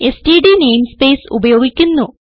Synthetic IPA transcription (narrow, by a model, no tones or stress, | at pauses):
estiːɖinejmspeːsṵbɐjo̞ːɡikʲːunːu